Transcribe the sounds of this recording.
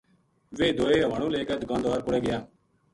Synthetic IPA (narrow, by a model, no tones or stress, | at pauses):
ʋeːd̪oːeːəʋaːɳũːleːkəːd̪ɡãːnd̪ʋaːɾpʊɽeːɡɪjãː